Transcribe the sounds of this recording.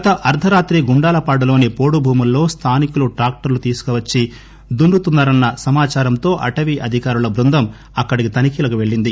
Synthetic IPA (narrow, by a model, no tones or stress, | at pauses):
ɡɐt̪ɐʔɐɾt̪ʰɐɾaːt̪ɾiɡuɳɖaːlɐpaːɽɐlo̞ːnipo̞ːɽubʱuːmulːo̞ːst̪ʰaːnikuluʈɾaːk̚ʈɐɾlut̪iːsu̥kɔʋɐt͡ʃːi | d̪uɳɾut̪unːaːɾɐnːɐsɐmaːt͡ʃaːɾɐmt̪o̞ːʔɐʈɐʋiʔɐd̪ʱikaːɾulɐbɾund̪ʱɐm | ɐkːɐɽikit̪ɐnikiːlɐkuʋe̞ɭːind̪i